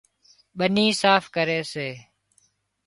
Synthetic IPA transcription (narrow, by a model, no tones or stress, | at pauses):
ɓəniːsaːfʰkəɾeːseː